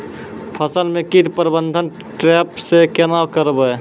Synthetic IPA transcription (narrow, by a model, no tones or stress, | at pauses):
pʰəsəlmekid̪pəɾbənd̪ʱən | ʈɾɛpsekenawkəɾbə